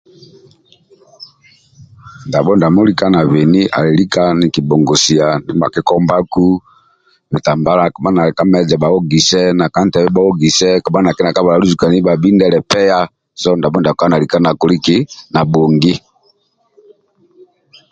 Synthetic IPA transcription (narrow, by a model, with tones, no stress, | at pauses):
nda˨bɔ˦nda˨mu˦li˦ka˦na˨βɛ˨ni˦ʔa̰˨lɛ˨li˦ka˦ni˨ki˨bɔ˨ŋɡɔ˨si˨a˨ni˦ba̰˨kɛ˦kɔ˦mba˦ku˦ | mɛ˨ta˨mba˦la˦ka˨ma˦na˨ka˦mɛ˦d͡ʒɛ˨ba˨wɔ˦ɡi˨sɛ˦na˨ka˦n˦tɛ˨βɛ˦ba˦ɔ˦ɡi˨sɛ˦ka˨ma˦na˨kɛ˦na˨ka˦βa˨la˨lu˦zu˨ka˨ni˦ba˨bi˦ndɛ˦lɛ˨pɛ˦ja˦ | sɔ˦nda˨bɔ˦nda˨ka˦na˨li˨ka˦na˨kɔ˨li˦ki˦na˨bɔ˨ŋɡi˦